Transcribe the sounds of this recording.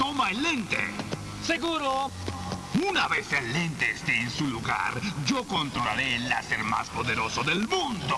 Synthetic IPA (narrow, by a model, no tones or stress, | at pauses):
t̪omaelent̪ḛ | seɣuɾo | unaβeselːent̪eːst̪eːnsuluɣa̰ɾd͡ʒokont̪ɾolaɾeːlːa̰seɾma̰spoðeɾosoðelmũnd̪o